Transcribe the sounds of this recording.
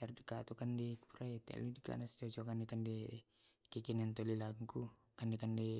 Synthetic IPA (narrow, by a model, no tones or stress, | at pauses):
ardikat̪ukandɛpuɾait̪ɛ̰ludika̰nast͡ʃɔt͡ʃɔkandɛkandɛ | kikinant̪olilaŋku | kandɛkandɛ